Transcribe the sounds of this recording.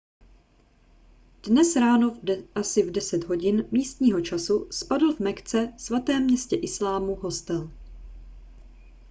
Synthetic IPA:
d̥nɛsɾaːno̞asɪvdɛsɛt̪ɦo̞ɟɪnmiːst̪ɲiːɦo̞t͡ʃasuspadl̩vmɛkt͡sɛsvat̪ɛːmɲɛscɛʔɪslaːmuɦo̞st̪ɛl

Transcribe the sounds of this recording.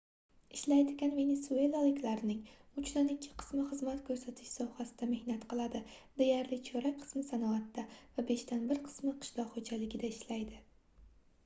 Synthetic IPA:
ɪʃlajd̪ɪɡʲanve̞ne̞sue̞lˠalɪkʲlaɾɪnɪŋʊt͡ʃʰd̪anɪkʲʰːɪ̥qʰɨ̥smɪχɨzmat̪kʰɵɾsat̪ʰɪ̥ʃsɒhasɪd̪ame̞hnat̪qʰɨlˠad̪ɪd̪e̞jaɾlɪt͡ʃʰɵɾak̚ʲqʰɨ̥smɪsanɒat̪ːavabe̞ʃt̪anbɪɾqʰɨ̥smɪqʰɨ̥ʃlɒʁχod͡ʒalɪɡʲɪd̪aɪʃlajd̪ɪ

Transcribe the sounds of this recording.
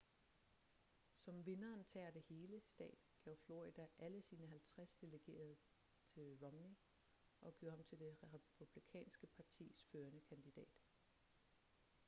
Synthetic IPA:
sɒ̽mʋe̝nɐːnt͡sʰɛːɐd̥e̝he̝ːləsd̥ɛ̰ːd̥ɡ̥ɛʊ̰flo̝ʁid̥æʔæləsiːnəɦælt͡sʰʁasd̥e̝ləɡ̥e̝̰ːɐð̞ˠə | t͡sʰe̝lʁɒmni | ʔɒ̽ɡ̥o̝̰ʊhɑ̈mt͡sʰe̝ld̥e̝ʁʁɛpʰub̥likʰɛ̰ːnsɡ̥əpʰɑ̈t͡sʰḭːsføːɐnəkʰænd̥id̥ɛ̰ːd̥

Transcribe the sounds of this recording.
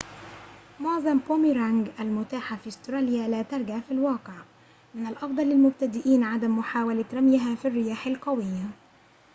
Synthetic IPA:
mʊʕzˤɑmpomiɾaŋɡʔælmʊt̪aːħafiʔʊst̪ɾˤɑːljalæːt̪ɑɾˤɡaʕfilwɑːqɪʕ | mɪnalʔɑfd̪ˤɑlːɪlmʊb̚t̪ad̪ɪʔiːnʕad̪amːʊħaːwalaɾˤamjɪɦafirːɪjaːħɪlqɑwɪjːa

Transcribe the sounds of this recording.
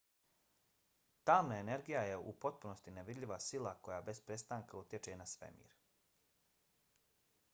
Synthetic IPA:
t̪aːmnae̞ne̞ɾɡijajeṵpo̞t̪̚puno̞st̪ineʋid̪ʎʲiʋasilako̞jabe̞spɾe̞st̪aːŋkaut̪jet͡ʃe̞nasʋḛmḭːɾ

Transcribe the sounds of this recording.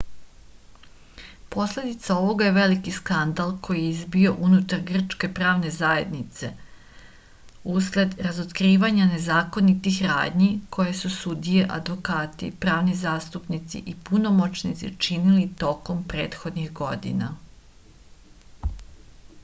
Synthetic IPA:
po̞sle̞d̪it̪sao̞ʋo̞ɡaje̞ʋe̞likiskand̪alˠkʰo̞jijeizbio̞ʔunut̪aɾɡr̩t͡ʃke̞pɾaːʋne̞zaje̞d̪nit̪se̞̰ | usle̞d̪ɾazot̪kɾiːʋaɲane̞zaːko̞nit̪ixɾa̰ːd̪ɲikʰo̞je̞susud̪ieʔad̪ʋo̞kaːt̪ḭpɾaːʋnizaːst̪upnit̪sḭʔipunomo̞t͡ʃnit̪sḭt͡ʃinilit̪o̞ko̞mpɾe̞ːt̪xo̞d̪nixɡo̞d̪ḭna̰

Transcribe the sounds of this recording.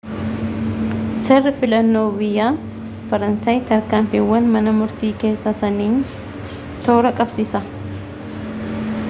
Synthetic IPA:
sɛrːɪfɪlɐnːo̞ːbɪjːaː | fɐɾɐnsaːjt̪ɐɾkaːmfɪwːɐnmɐnɐmʊɾt̪iːke̞ːsːɐsɐniːn | t̪oːɾɐkʼɐbsisɐ

